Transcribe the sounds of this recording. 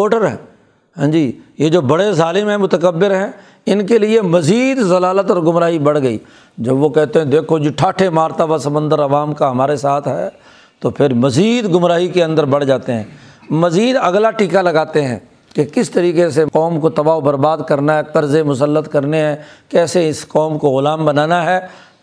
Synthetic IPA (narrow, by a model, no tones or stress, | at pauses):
oːʈəɾɦɛ̰̃ː | ɦɛ̃ːd͡ʒiːjed͡ʒoːbɐɽezaːlɪmɦɛ̃mʊt̪əkəbːɪɾɦɛ̃ː | ɪnkeliemɐziːd̪zɐlaːlət̪ɔːɾɡʊmɾaːɦibɐɽ̤ɡɐḭː | d͡ʒɐbʋokɛɦt̪eɦɛ̃d̪eːkʰod͡ʒiʈʰaːʈʰemaːɾt̪abasɐmə̃nd̪əɾɐʋaːmkaɦɐmaːɾesaːt̪ʰɦɛ̰ː | t̪opʰɪɾmɐziːd̪ɡʊmɾaːɦikeɐ̃nd̪əɾbɐɽd͡ʒaːt̪eɦɛ̰̃ː | mɐziːd̪ɐɡlaʈiːkalɐɡaːt̪eɦɛ̰̃ː | kekɪst̪ɐɾiːqeseqɔːmkot̪ɐbaːobɐɾbaːd̪kɐɾnaɦɛqɐɾzemʊs̬əlːət̪kɐɾneɦɛ̃ːkɛːseɪsqɔːmkoɣʊlaːmbɐnaːnaɦɛː